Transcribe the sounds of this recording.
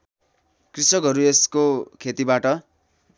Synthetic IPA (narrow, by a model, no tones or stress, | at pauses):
krisʌkʌɾueskokʰet̪ibaʈʌ